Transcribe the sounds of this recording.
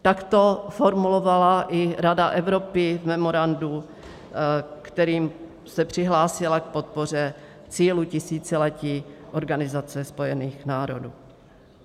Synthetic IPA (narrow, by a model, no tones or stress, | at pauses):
t̪akt̪o̞foɾmulovalaʔɪɾadaʔɛvɾo̞pɪvmɛmoɾandu | kt̪ɛɾiːm | sɛpr̝̥ɪɦlaːsɪlak̚pot̪̚po̞r̝ɛ | t͡siːlucɪsiːt͡sɛlɛciːʔoɾɡanɪzat͡sɛspo̞jɛniːxnaːɾo̞̰duː